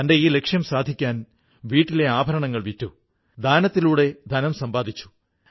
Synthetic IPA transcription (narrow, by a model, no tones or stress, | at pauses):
ɐnde̞iːle̞kʂjɐmsaːd̪ʱikʲːaːn | ʋiːʈːile̞aːbʱɐɾɐɳɐŋːɐɭʋitːu | d̪ʱaːnɐt̪ːiluːɽe̞d̪ʱɐnɐmsɐmbaːd̪ʱit͡ɕːu̥